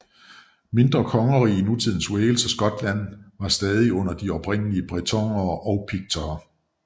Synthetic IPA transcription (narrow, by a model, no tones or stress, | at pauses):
me̝nd̥ʁɐkʰɒ̽ŋɐʁiːinut͡sʰið̰ˠn̩sweːlsɒsɡ̥ɒ̽d̥læn̰ʋɑ̈sd̥ɛːð̞ˠiɔ̽n̰ɐd̥iɒ̽b̥ʁen̰əliəb̥ʁɛt͡sʰɒ̽ŋ̰ɐːʔɒʊpʰiɡ̥̚t͡sʰɒː